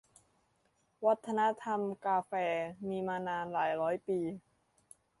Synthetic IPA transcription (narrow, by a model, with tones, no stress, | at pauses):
wa˦˥t̪ʰːa˧na˦˥t̪ʰa˧mkaː˧fɛː˧miː˧maː˧naː˧nlaː˩˦jɾɔː˦˥jpiː˧